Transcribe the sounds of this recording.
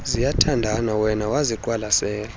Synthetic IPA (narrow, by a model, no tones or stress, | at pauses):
zijatʰandʱanawɛnawaziǃʼwalasɛːla